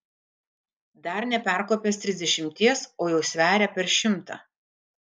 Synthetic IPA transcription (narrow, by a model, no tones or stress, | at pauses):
d̪ɐɾnʲɛpʲæˑɾkoːpʲest̪ʲɾʲɪzd̪ʲɛʃʲɪmʲt̪ʲiɛsoːjɛʊsʲʋʲæːɾʲɛpʲɛɾʃʲɪmt̪ɑ̰ː